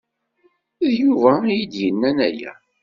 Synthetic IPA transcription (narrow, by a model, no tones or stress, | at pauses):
ðjuvæjid̪jənːænæjæ̰